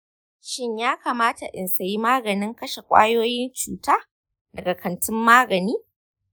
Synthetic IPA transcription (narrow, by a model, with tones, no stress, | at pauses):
ʃɪ˦ɲjaː˦kaː˨maː˦ta˨ʔɪ˨nsa˨ji˦maː˦ɡɐ˨nɪ˦ŋkɐ˦ʃe˨kʷʼa̰ː˦joː˦jɪ˦nt͡ʃuː˨taː˦ | dɐ˨ɡa˨kɐ˨ntɪ˦mːaː˦ɡɐ˨niː˦